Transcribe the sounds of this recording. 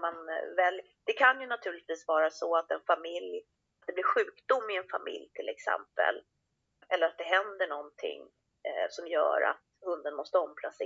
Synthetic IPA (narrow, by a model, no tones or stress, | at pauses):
manvɛlj | d̪̥ɛkʰanjɵnat̪ʰʉ̟ːɭɪt̪viːsvɑːɾasɔat̪ɛnfamɪlj | at̪d̪ɛblɪɾɧʉ̟ːkd̪ʊmːɪɛnfamɪ̰ljt̪ʰɪlɛksɛ̰mpə̰l | ʔɛlːəɾat̪̚d̪ɛɦɛnd̪əɳɔnt̪ʰɪ̰ŋː | sɔmjœ̰ːɾa̰t̪hɵnd̪ənmɔst̪əɔmpʰlaseː